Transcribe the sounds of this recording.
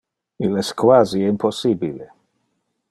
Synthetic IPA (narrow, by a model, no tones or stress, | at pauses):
ilɛskwaziimposibile